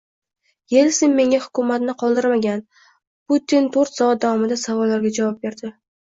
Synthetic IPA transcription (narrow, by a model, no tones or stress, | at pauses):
je̞lsɪnme̞ŋahʊ̥kʊmat̪nɪqʰɒlˠd̪ɪɾmaɡʲan | put̪ːint̪ʰoɾt̪sɒat̪̚d̪avɒmɪd̪asavɒlːaɾɡʲad͡ʒavɒp̚be̞ɾd̪ɪ